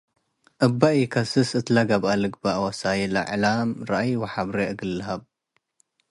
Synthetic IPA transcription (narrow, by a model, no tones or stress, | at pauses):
ʔɐbːaʔikʰɐsɨsɨt̪laɡabalɨɡbaʔwɐsajilɐ̰ʕlamɾaʔajwɐħaβɾeʔɨɡɨlːɐɦɐb̚